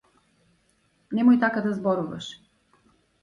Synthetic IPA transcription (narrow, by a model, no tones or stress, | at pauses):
nɛmojt̪akad̪azbɔɾuvɐ̰ʃ